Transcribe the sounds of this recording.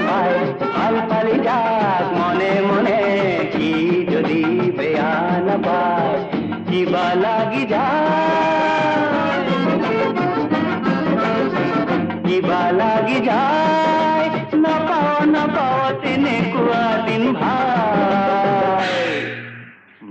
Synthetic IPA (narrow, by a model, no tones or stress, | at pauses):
paj | palpalid͡ʒakmɔnemɔnekid͡ʒod̪ibʱəjanapaj | kibalaɡid͡ʒa | j | kibalaɡid͡ʒa | j | napawnapawt̪inekuad̪inbʱa | j